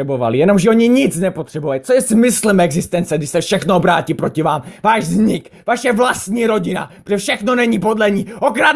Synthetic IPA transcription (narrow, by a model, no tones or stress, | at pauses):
ɛbova̰lɪjɛno̞mʒɛo̞ɲɪɲɪt͡snɛpot̪r̥ɛbuvalit͡sojɛsmɪslɛmɛɡzɪst̪ɛnt͡sɛɡdɪʃsɛfʃɛxnoobɾaːciːpɾo̞cɪvaːmvaːʃzɲɪk | vaʃɛvlast̪ɲiːɾo̞ɟɪna̰pɾr̥ɛfʃɛxno̞nɛɲipo̞dlɛɲiːʔokɾa